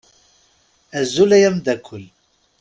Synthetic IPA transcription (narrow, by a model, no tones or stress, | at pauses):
æzːulæjæmd̪ækʷʰːəl